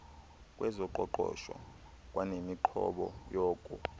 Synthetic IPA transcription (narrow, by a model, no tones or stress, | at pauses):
kʼwɛzɔǃɔǃɔːʃɔ | kʼwanemiǃʰɔɓɔjoːkʼu